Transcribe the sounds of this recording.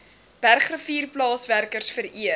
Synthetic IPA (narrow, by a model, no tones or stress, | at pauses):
pærχrəfiːrplɑːsværkərsfəɾiə